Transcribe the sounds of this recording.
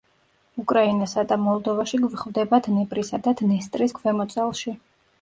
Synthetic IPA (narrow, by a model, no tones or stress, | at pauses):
ukʼɾainasad̪amɔlˠd̪ɔvaʃiɡvχvd̪ɛbad̪nɛpʼɾisad̪ad̪̥nɛst̪ʼɾisɡʰvɛmɔt̪sʼalˠʃi